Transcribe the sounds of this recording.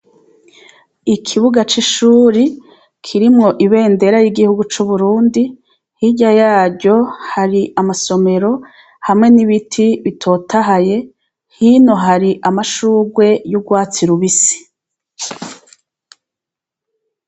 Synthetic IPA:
ikʰiβuɡat͡ʃiʃuːɾi | kʰiɾimŋo̞ʔiβe̞ːnde̞ɾajiɡihuɡut͡ʃuβuɾuːndi | hiɟajaːɾɟo̞haɾiʔamaso̞me̞ɾo̞ | hamŋe̞niβitʰiβitʰo̞ːtʰaɦaje̞ | hino̞ɦaɾiʔamaʃuːɡwe̞juɡwaːt͡siɾuβisi̥

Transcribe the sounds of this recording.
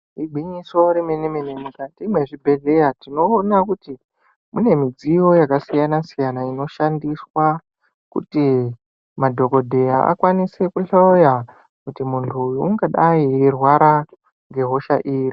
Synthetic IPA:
iɡʱiɲiso̞ɾimenemenemikatimwe̞ʐibʱe̞ɮe̞ɾatino̞ːnakuti | mune̞mid͡zijo̞jakasijanasijanaino̞ʃandiswa | kṵti | madʱo̞ko̞dʱe̞jaʔa̰kwanisekuɬauja | kutimuntʰujuuŋɡaɗairwaɾa | ŋɡe̞ɦo̞ʃaʔiːri

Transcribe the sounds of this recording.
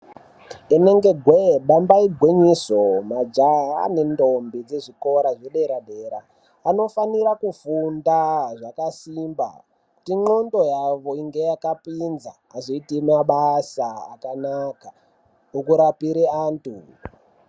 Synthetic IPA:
ene̞ŋɡe̞ɡʱweɓambaiɡʱweɲisomad͡ʒaa̰ne̞ndombid͡ze̞ʐiko̞ɾaʐeɗe̞ɾaɗe̞ːɾaː | no̞faniɾakufundaʐakasimba̰ | tiŋ͡ǃo̞ndo̞jaʋo̞iŋɡe̞jakapinza̰ːzoitimaɓasaa̰kanaka | ukuɾapiɾeaːntu

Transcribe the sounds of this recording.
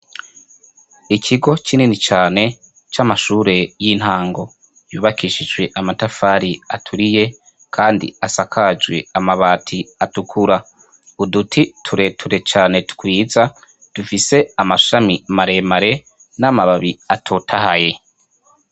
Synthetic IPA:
icʰiɡo̞t͡ʃininit͡ʃaːne̞ | t͡ʃamaʃuːɾe̞jin̥haːŋɡo̞ | juːβakiːʃid͡ʒwe̞ʔamatafaːɾiatʰuɾije̞ | kʰaːndḭasakʰad͡ʒwḛamaβaːtʰiatukʰuɾa | udutʰitʰuɾe̞tʰuɾe̞t͡ʃaːne̞tu̥kwiːza | d̥ufise̞amaʃamimaɾe̞maɾe̞ | namaβaβiatʰotʰahaje̞

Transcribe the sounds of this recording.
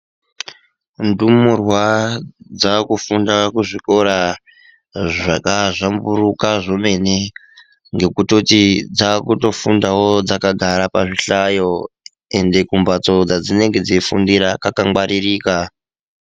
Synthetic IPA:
ndumurwad͡zakufundakuʐiko̞ɾa | ʐakaʐamburukaʐo̞me̞ne | ŋɡe̞kuto̞tid͡zakuto̞fundawo̞d͡zakaɡʱaɾapaʐiɬajo̞ | e̞nde̞kumbat͡so̞d͡zad͡zine̞ŋɡe̞d͡zifundiɾakakaŋɡwaɾiriːka

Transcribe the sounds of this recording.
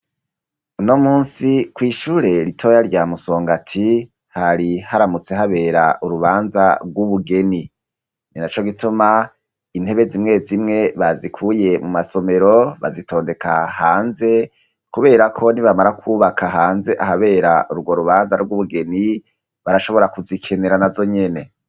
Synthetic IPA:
unomuːnsikwiːʃuːɾe̞ɾitʰo̞jaɾɟamuso̞ːŋɡatʰi | haɾihaɾamut͡se̞ɦaβe̞ːɾaʔuɾuβaːnzaɡwuβuɡe̞ni | ninat͡ʃo̞ɡituma | in̥e̞βe̞zimŋe̞zimŋe̞βazikʰuje̞mumaso̞me̞ɾo̞βa̰zitʰo̞ːnde̞kahaːnze̞ | kuβe̞ːɾakʰo̞niβamaɾakʰuβakʰaɦaːnze̞ʔaɦaβe̞ːɾaʔuɾuɡwoɾuβaːnzaɾuɡuβuɡe̞ni | βaɾaʃo̞βo̞ɾakuzikʰe̞ne̞ɾanazo̞ɲe̞ne

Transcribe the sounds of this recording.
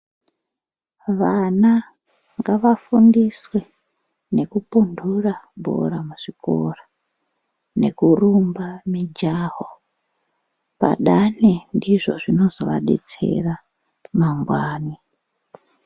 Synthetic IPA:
ʋana | ŋɡaʋafundiswe̞ | ne̞kupundurabʱo̞̰ɾamuʐ̥iko̰ra | ne̞̰kurumbamid͡ʒaːɦo | pa̰ɗanendiʐo̞̰ʐino̞zoʋa̰ɗe̞̰t͡se̞̰ra | maŋɡwaːni

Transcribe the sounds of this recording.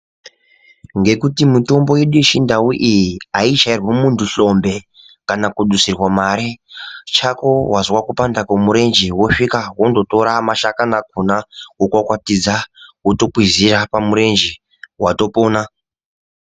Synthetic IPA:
ŋɡe̞kutimuto̞mbo̞jeɗueʃindauʔijiaiʃairwemuntʰuɬo̞mbe̞ | kanakuɗusirwamaɾet͡ʃako̞wazwakupandakomuɾe̞nd͡ʒiwo̞ʂikawondo̞to̞ɾamaʃakanak̚unakokwakwatid͡zawoto̞kwizirapamuɾe̞nd͡ʒi | wato̞poːna

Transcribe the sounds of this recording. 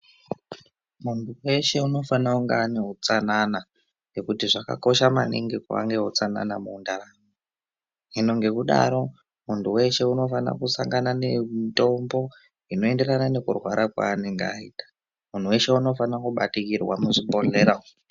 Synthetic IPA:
muntuwe̞ʃe̞uno̞fanauŋɡaaneɦut͡sanana | ŋe̞kutiʐaka̰ko̞ʃama̰nḭŋɡikua̰ŋɡe̞ɦot͡sana̰namuːndaraŋo | ino̞ŋɡe̞kuɗa̰ɾo̞ | muntuwe̞ʃe̞uno̞fana̰kusaŋɡanane̞ito̞mbo̞ | ino̞e̞nde̞ranane̞kurwaɾʔakwa̰ːne̞ŋɡeaitḁ | mun̤uwe̞ʃe̞uno̞fanakuɓatikirwa̰muʐibo̞ɮe̞ɾa

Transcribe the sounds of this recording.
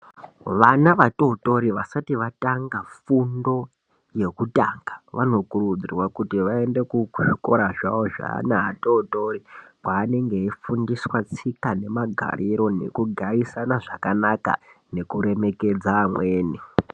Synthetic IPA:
ʋanaʋato̞to̞ɾiʋasatiʋataŋɡafundo̞ | je̞kuta̰ːŋɡaʋano̞kurud͡zirwakutiʋae̞nde̞kuʐiko̞ɾaʐa̰ʋo̞ʐa̰ːnaato̞to̞ɾipwaːne̞ŋɡe̞ifundiswat͡sikane̞maɡʱa̰ɾiɾo̞nḛkuɡʱaisanaʐakanaka̰ne̞kuɾe̞me̞ke̞d͡zaːmweːni

